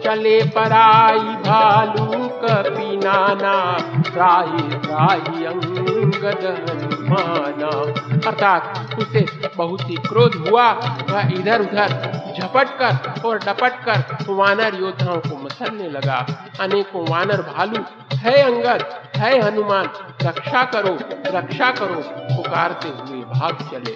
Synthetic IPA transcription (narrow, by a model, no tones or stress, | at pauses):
t͡ʃɐlepɐɾaːibʱaːlukəpiːnaːnaːɾaːɦiaːɦiɐ̃ŋɡəd̪ɦɐnumaːnaːɐɾt̪ʰaːt̪̚kʊsebɐɦʊt̪ikɾoːd̪ɦuaʋəid̪ʱəɾʊd̪ʱəɾd͡ʒʱɐpəʈkəɾɔːɾɖɐpəʈ̚kəɾʋaːnəɾjoːd̪ʱaõkomɐsəlnelɐɡa | ɐneːkõʋaːnəɾbʱaːlu | ɦəɐ̃ŋɡəd̪̚ɦɛeɦɐnumaːnɾɐkʃakəɾoɾɐkʃakəɾopʊkaːɾt̪eɦʊebʱaːɡt͡ʃɐleː